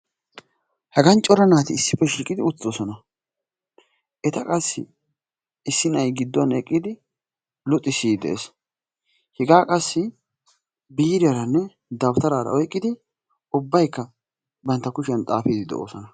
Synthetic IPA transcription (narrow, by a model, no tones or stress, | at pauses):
hɐɡɐnt͡ʃʼɔɾɐnaːt̪ɪɪsːɪpːɛʃiːkʼɪd̪ɪʊt͡sːoːsɔnɐ | ʔɛt̪ɐkʼɐsːɪ̰ | ɪsːɪnɐjɡɪd̪ːɔnɛkʼːɪd̪ɪ | lʊt̪ʼːɪsiːd̪ɛ̰ʔḛs | hɛɡaːkʼɐsːɪ | biːɾɪɐɾɐnːɛ | d̪ɐbt̪ɐɾaːɾɐ̰ʔɔjkʼːɪd̪ɪ | ʊbːɐjkːɐ | bɐnt̪ːɐkʊʃɪjɐnt̪ʼaːfid̪ɪd̪ɛ̰ʔo̰ːsɔnɐ